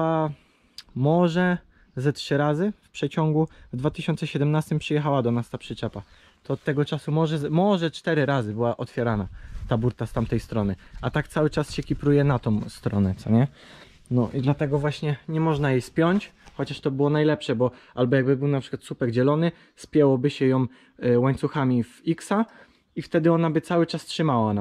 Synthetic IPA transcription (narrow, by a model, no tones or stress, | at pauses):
a | mɔʐɛ | zɛtʂɘɾazɘfpʂɛt͡ɕɔŋɡuvd̪vat̪ɘɕɔnt̪sɛɕɛd̪ɛmnast̪ɘmpʂɨjɛxawad̪ɔmʲast̪apʂɘt͡ʂɛpa | t̪ɔːt̪ːɛɡɔt͡ʂasumɔʐɛzɛmɔʐɛt͡ʂt̪ɛɾɘɾazɘbɘwaʔɔt̪fʲjɛɾanat̪abuɾt̪ast̪amt̪ɛjst̪ɾɔnɘat̪akt̪sawɘt͡ʂasɕɛkʲipɾujɛnat̪ɔ̃w̃st̪ɾɔnɛt̪sɔɲɛ | nɔʔid̪lat̪ɛɡɔvwaɕɲɛɲɛmɔʐnajejspʲjɔɲt͡ɕxɔt͡ɕaʂt̪ɔbɘwɔnajlɛpʂɛbɔ | albɔjaɡbɘbɘwnapʂɘkwat̪supɛɡd͡ʑɛlɔnɘ | spʲjɛwɔbɘɕɛjɔ̃m | waɲt̪suxamʲiviksa | ift̪ɛd̪ɘɔnabɘt̪sawɘt͡ʂastʂɘmawana